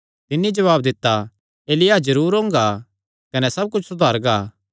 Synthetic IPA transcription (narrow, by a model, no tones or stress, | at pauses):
t̪ɪnːid͡ʒɐʋaːbd̪ɪt̪ːa | eːlɪjad͡ʒɐɾuːɾɦõːŋ̆ɡa | kɐnɛsɐb̚kʊt͡ʃʰsʊd̪ʱaːɾɡaː